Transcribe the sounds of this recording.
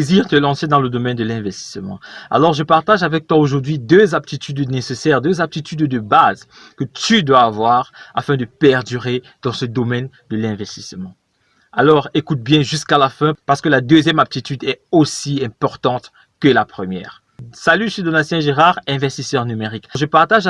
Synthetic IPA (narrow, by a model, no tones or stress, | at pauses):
eziʁt̪əlɑ̃sed̪ɑ̃ləd̪ɔmɛnd̪əlɛ̃vɛst̪i̥smɑ̰̃a̰lɔʁʒəpaʁt̪aʒavɛk̚t̪waoʒuʁd̪ɥid̪øzap̚t̪it̪yd̪nesesɛʁd̪øzap̚t̪it̪yd̪d̪əbaz | kət̪yd̪waːvwaʁa̰fɛ̃d̪əpɛʁd̪yʁe | d̪̥ɑ̃səd̪ɔmɛn | d̪əlɛ̃vɛst̪ismɑ̃ | alɔʁekut̪̚bjɛ̃ʒyskalafɛ̃paʁsə̥kəlad̪øzjɛmab̚t̪it̪yd̪ɛosiɛ̃pɔʁt̪ɑ̃t̪ | kəlapχəmjɛ̰ʁ | salyʃed̪onasjɛ̃ʒeʁaʁɛ̃vɛst̪isœʁnymeʁikʒəpaʁt̪aʒ